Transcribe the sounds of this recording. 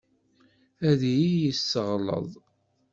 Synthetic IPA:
æðjijəsːəʁlə̰ðˤ

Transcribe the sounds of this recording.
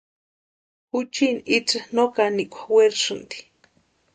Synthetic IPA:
hut͡ʃinit͡sɨnokaniʔkʷḁweɾʂɨnt̪i̥

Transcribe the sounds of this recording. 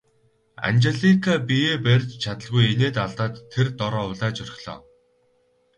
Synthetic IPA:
a̰nt͡ɕeɮikʰapijeːpærʲt͡ɕt͡ɕʰat̪ə̆ɮɣujeneːt̪aɮt̪aːt̪ʰːert̪ɔɾɔːʊɮaːt͡ɕœr̆ʲxʲɮ̥ɔ̰ː

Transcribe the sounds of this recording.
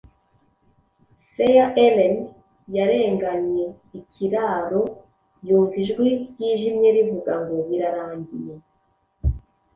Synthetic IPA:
sejaʔelen | jaɾe̞ːŋɡaɲɲe̞ | icʰiɾaɾo̞ | juːɱviʒɡwiɟiːʒimɲe̞ɾivuɡaŋɡoɾiɾaɾaːɲɟije

